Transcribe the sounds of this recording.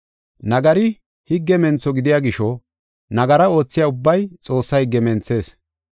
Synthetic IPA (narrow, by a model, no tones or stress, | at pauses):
nɐɡɐɾɪ | hɪɡːɛmɛnt͡sːɔɡɪd̪ɪjaːɡɪʃɔ | nɐɡɐɾɐo̞ːt͡sːɪjaʊbːɐjt͡sʼo̞ːsːɐjɡɛmɛnt͡sːe̞ːs